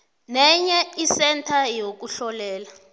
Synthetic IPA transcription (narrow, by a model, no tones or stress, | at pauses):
nɛɲɛisɛntʰajok̬uɬɔlɛːla